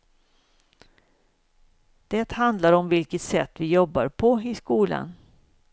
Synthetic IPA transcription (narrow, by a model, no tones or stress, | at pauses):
d̪̥ɛt̪hand̪laɾɔmvɪlkət̪sɛt̪ːvɪjɔbːa̰ɾpʰɔɪskuːla̰n